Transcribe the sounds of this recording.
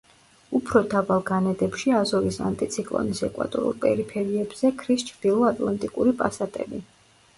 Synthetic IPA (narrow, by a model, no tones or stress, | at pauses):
upʰɾɔd̪avalˠɡanɛd̪ɛpʃiazɔvisa̰nt̪ʼit̪sʰikʼlˠɔ̰nisɛkʼwa̰t̪ʼɔ̰ɾṵlˠpʼɛ̰ɾipʰɛɾiɛbz̥ɛkʰɾist͡ʃʰɾd̪̥ilˠɔat̪ʼlˠant̪ʼikʼuɾipʼasat̪ʼɛ̰bi